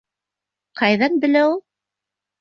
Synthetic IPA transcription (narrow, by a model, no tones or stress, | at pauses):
qɑjðɑnbɘ̆læulˠ